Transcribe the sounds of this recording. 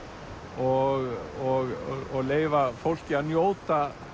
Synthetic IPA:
ɔɣɔɣɣɔɣleːjvafowl̥cɪaðnjoːwt̪a

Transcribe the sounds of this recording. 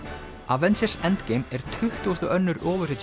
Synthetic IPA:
avɛnsɛrsɛnt̪ceːjmɛɾ̥t̪ʰʏht̪uːʏst̪ʏʔœnːʏɾɔːvʏr̥ɪt̪

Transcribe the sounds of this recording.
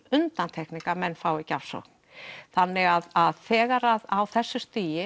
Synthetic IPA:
ʏnt̪ant̪ʰɛhkniŋkamɛnːfaːwɪcafsɔ̰kn̥ | θanːɪɣaðaðθɛːɣaɾaðawθɛsːʏst̪iːjɪ

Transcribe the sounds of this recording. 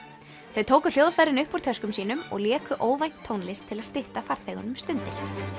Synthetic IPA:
θœɥðt̪ʰoːwkʏ̥l̥joːwðafajɾɪnʏhpuɾ̥t̪ʰœskʏmsiːnʏmɔ̰ɣljɛːkʏʔoːwvajŋ̥t̪ʰːoːwnlɪst̪ʰɪlaðst̪ɪht̪afaɾ̥θeɣʏ̰nʏmst̪ʏnt̪ɪl̥

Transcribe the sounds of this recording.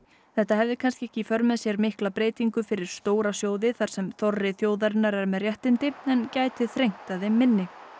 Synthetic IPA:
θɛht̪ahɛvðɪkʰanscɪɛhcɪfœɾmɛðsjɛɾmɪhklapɾeːjt̪iŋkʏfɪɾɪɾ̥st̪oːwɾasjoːwðɪθaɾ̥sɛmθɔrːɪθjoːwðaɾnːaɾɛɾmɛðrjɛht̪ɪnt̪ɪɛncaːjt̪ɪθɾejŋ̥t̪aðɪmːɪnːɪ

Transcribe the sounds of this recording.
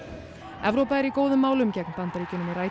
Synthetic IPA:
ɛvɾowpaðɪɾikoːwðʏmːaːwlʏmcɛknpant̪aɾicʏnːʏmiraːj

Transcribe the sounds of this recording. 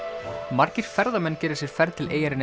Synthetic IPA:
maɾ̥cɪɾ̥fɛɾðamɛnːcɛːɾɪ̥ɾsjɛɾ̥fɛɾðt̪ʰɪlʔeːjaɾɪn

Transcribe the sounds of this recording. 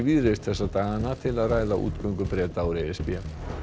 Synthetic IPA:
viːðɾɪst̪θɛsːat̪aːɣanat̪ʰɪlaðraːjðaʔṵːt̪kœŋkʏpɾɛːt̪awɾeɛspiɛ

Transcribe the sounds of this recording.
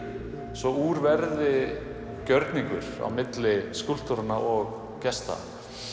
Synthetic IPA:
svɔuɾvɛɾðɪ | cœɾt̪niŋkʏ̰ɾ̥a̰wmɪt̪lɪskʏl̥t̪ɔɾanaʔɔɣ | cɛst̪a̰

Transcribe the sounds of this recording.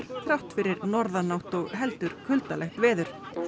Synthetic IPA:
ɾ̥t̪ʰɾawht̪fɪɾɪɾnɔɾðanawht̪ɔɣɦɛlt̪ʏɾ̥kʰʏlt̪alɛht̪vɛːðʏɾ̥

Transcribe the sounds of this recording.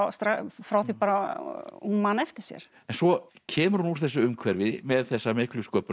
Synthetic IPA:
st̪ɾafɾawθipaːɾa | unmaːnɛft̪ɪɾ̥sjɛ̰ɾ̥ | ɛnsɔcʰɛːmʏɾ̥hunuɾ̥θɛsːʏʏmkʰvɛɾvɪmɛðθɛsːamɪhklʏskœːp

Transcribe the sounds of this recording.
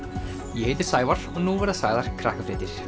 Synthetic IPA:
jɛhejt̪ɪ̥saːjvaɾ̥ɔnuːvɛɾðasajðaɾ̥kʰɾahkafɾɛːt̪ɪɾ̥

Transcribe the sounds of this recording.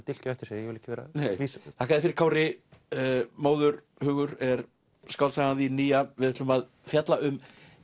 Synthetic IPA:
t̪ɪl̥caɛft̪ɪ̥ɾsɛːjjɛvɪlɪ̥hcːɪvɛːɾa̰neːjvisθahkaðɪfɪɾɪɾkʰaːwɾɪ | moːwðʏɾ | hʏːɣʏɾɛɾ̥ | skawlsaɣaðiniːjavɪðɪht̪lʏmað | fjat̪laʏm

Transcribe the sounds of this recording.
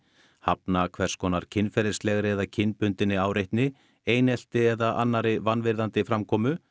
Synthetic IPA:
hapnakʰvɛr̥skʰɔːnaɾ̥cʰɪnːfɛɾɪslɛɣɾɪɛðacʰɪnːpʏnt̪ɪnːɪaːwɾejht̪nɪ | eːjnɛl̥t̪ɪɛðaʔa̰nːaɾɪvanvɪɾðant̪ɪfɾamkʰɔːmʏ

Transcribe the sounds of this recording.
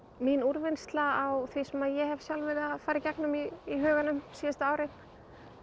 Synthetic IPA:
minuɾvɪnst̪laawθvisɛmaðjɛhɛvsjalvɪɾaðfaːɾɪcɛknʏmiiɦœːɣanʏmsiːast̪aaːwɾɪn̥

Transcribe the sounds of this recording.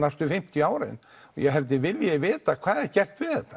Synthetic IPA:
nast̪ʏfɪm̥t̪jaːwɾɪ̰n | ɔjɛɦɛlt̪̬ɪvɪljɛvɪːt̪akʰv̥aːðɛcɛr̥t̪vɪðθɛht̪ːḁ

